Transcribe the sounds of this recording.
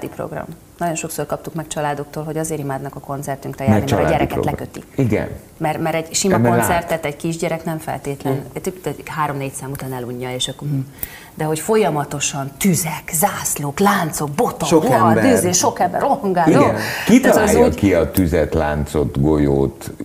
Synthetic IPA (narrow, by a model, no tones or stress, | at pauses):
d̪ipɾo̰ɡrɒ̰m | nɒɟo̞nʃo̞ksoːrkɒp̚t̪ukmɛkt͡ʃɒlaːd̪o̞k̚t̪oːlɦo̞ɟɒzeːɾimaːd̪nɒkɒko̞nt̪sɛrt̪yŋkrɛjaːnɛimɛɾɛɾɛkɛ̰lɛkøt̪ḭiɡɛ̰n | mɛrmɛɾɛɟʃimɒkonsɛrt̪ɛt̪ɛɟkiʒɟɛɾɛknɛɱfɛ̰lt̪eːt̪lɛnt̪yt̪ɛɦaːɾo̞mneːcsaːmut̪aːnɛluɲːɒeːʃɒkːom̩m | d̪ɛɦo̞cfo̞jɒmɒt̪o̞ʃɒnt̪yzɛkzaːsloːklaːnt̪so̞k̚bo̞t̪ookd̪yzeːʃo̞kɛmbɛ̰roɦɒŋɡaːizɡɛnkit̪ːjokiɒt̪yzɛt̪la̰ːnt̪sot̪ɡojo̰ːt̪